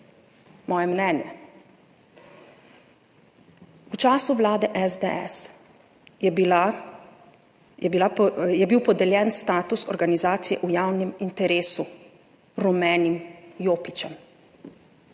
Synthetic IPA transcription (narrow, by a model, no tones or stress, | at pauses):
mɔːjɛmnɛːnjɛ̰ | ut͡ʃaːsuʋlaːd̪ɛʔɛzd̪ɛɛ̰s | bilajɛbiwpɔd̪ɛljɛnst̪aːt̪usɔɾɡanizaːt̪sijɛ̰ʔujaːwnimint̪ɛɾeːsu | ɾɔmɛːnimjoːpit͡ʃɛm